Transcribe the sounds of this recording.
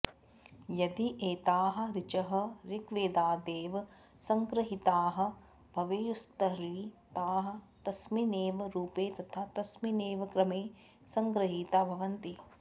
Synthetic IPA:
jɐd̪iʔeːt̪aːɦɐ̆ɾɪt͡ʃɐɦɐ̆ɾikʋeːd̪aːd̪eːʋɐ | sɐŋkɾɐɦit̪aːɦɐ̆ | bʱɐʋejust̪ɐɾiːt̪aːɦɐ̆t̪ɐsmineːʋɐɾuːpeːt̪ɐt̪ʰaːt̪ɐsmineːʋɐkɾɐmeː | sɐŋkɾɐɦiːt̪aːbʱɐʋɐnt̪i

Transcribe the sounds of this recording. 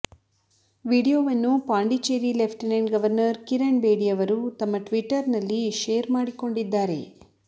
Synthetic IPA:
ʋiːɽijoːʋɐnːupaːɳɖit͡ʃeːɾilepʰʈinɐjnɡɐʋɐɾnɐɾkiɾeɳbeːɽiɐʋɐɾut̪ɐmːɐʈʋiʈːɐɾnɐlːiʃeːɾmaːɽiko̞ɳɖid̪ːaːɾe̞̰

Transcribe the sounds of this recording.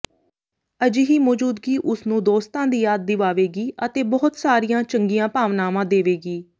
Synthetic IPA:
əd͡ʒɪɦiːmɔːd͡ʒuːd̪ɡiːʔʊsnũːd̪oːst̪ãːd̪iːjaːd̪̚ːɪʋaːʋeːɡiːʔət̪eːbɔːʊt̪saːɾijãːt͡ʃəŋɡijãːpaːʋnaːmãːd̪eːʋeːɡiː

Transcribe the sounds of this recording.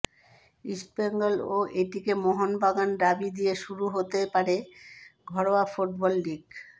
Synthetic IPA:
ispeŋɡoloʔeʈikemoɦonbaɡanɖ̪abid̪ijeʃuɾuɦot̪epaɾeɡʱɔɽoafoʈbɔlːiɡ

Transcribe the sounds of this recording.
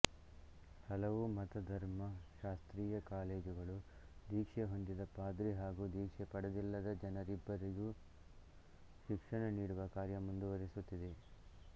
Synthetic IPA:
hɐlɐʋumɐt̪ɐd̪ʱɐɾmɐʃaːst̪ɾiːjɐkaːleːd͡ʒuɡɐɭud̪iːkʂeɦond̪id̪ɐpaːd̪ɾiɦaːɡuːd̪iːkʂɛpɐɽɐd̪ilːɐd̪ɐd͡ʒɐnɐɾibːɐɾiɡu | ʃikʂɐɳɐniːɽuʋɐkaːɾjɐmund̪uʋɐɾisut̪ːid̪e̞

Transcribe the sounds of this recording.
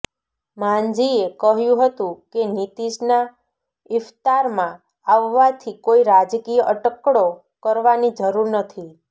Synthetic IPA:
mãnd͡ʒiekəɦjũɦət̪ũkenit̪iʃna | ɪft̪aɾmã | aʋːat̪ʰikoiɾad͡ʒkijʔəʈəkɽo | kəɾʋanid͡ʒəɾuɾnət̪ʰi

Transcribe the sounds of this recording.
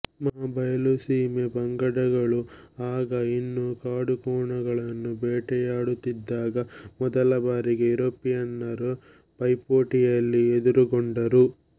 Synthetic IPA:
mɐɦabɐjɐlusiːmebɐŋɡɐɽɐɡɐɭuaːɡɐinːukaːɽukɔːɳɐɡɐɭɐnːubɛːʈɛjaːɽut̪ːid̪ːaːɡɐmɔd̪ɐlɐbaːɾiɡe̞ɾopːijɐnːɐɾu | pɐjpoːʈijɐlːied̪uɾuɡoɳɖɐɾu

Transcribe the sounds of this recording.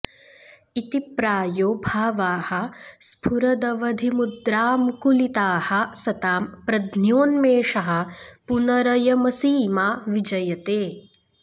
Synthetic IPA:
it̪ipɾaːjoːbʱaːʋaːhɐspʰuɾɐd̪ɐʋɐd̪ʱimud̪ɾaːmukulit̪aːhɐsɐt̪aːmpɾɐd̪ʱnjoːnmeːʃɐɦɐ̆punɐɾɐjɐmɐsiːmaːʋid͡ʒɐjɐt̪eː

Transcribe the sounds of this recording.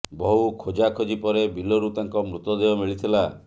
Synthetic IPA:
bɔɦukʰod͡ʒakʰod͡ʒipɔɾebilɔɾut̪aŋkɔmɾut̪ɔd̪eɔmiɭit̪ʰila

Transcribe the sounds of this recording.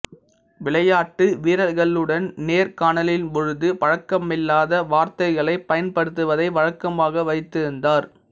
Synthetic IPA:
ʋɪɭɐjaːʈːɯʋiːɾɐɾɣɐɭɯɽɐnneːɾkaːɳɐlɪlmɔɻɯðɯpɐɻɐkːɐmɪlːaːðɐʋaːɾt̪ɐɪɣɐɭɐɪpːɐjɐnpɐɽɯt̪̬ːɯʋɐðɐɪʋɐɻɐkːɐmaːɣɐʋɐɪt̪ːɪɾɯnd̪aːɾ

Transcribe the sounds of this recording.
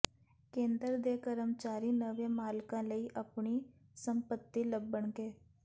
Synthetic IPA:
kẽːnd̪əɾd̪ekəɾəmt͡ʃaːɾinəʋẽmaːlkãːləiːʔəpɳi | sə̃mpət̪ːiləbəɳkeː

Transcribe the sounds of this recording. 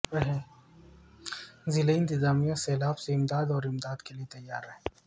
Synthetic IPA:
ɦɛ | zɪleɪnt̪ɪzaːmijãsɛːlaːbseɪmd̪aːd̪ɔːɾɪmd̪aːd̪keliet̪ɐjːa̰ːɾɦẽ

